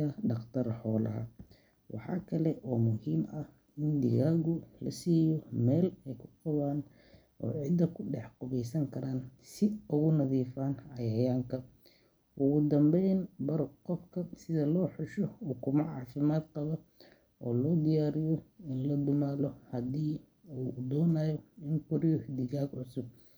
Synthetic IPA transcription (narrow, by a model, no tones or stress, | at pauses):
ɐɖɑqt̪ʰɐrħɔːlɐ̰ɦɐ̰ | wʔɑ̰ħɑ̰ːkʰɐlɛʔɔːmʊhiːmɐh | ɪnd̪ɪ̰ɣaːɣʊlɐ̰siːjɔmɛːlɛjkʰʊqɑβaːn | ʔɔ̰ːʕɪd̪ɐkʰʊɖɛħqʊβɛjsɐŋkʰɐɾaːnsɪʊɣʊnɐðiːfaːnɐjɐjaːŋkʰɐ | ʔʊɣʊd̪ɐmbɛjnbɐɾqɔfkʰɐsɪðɐlɔːħʊʃɔuːkʰʊmɐʕɑːfɪmaːd̪qɑβɔ | ɔːlɔːd̪ɪjaːɾɪjɔɪnlɐd̪ʊmaːlɔhɐd̪iː | uːd̪ɔːnaːjɔɪŋkʊɾɪjɔd̪ɪɣaːɡʕʊsʊb̚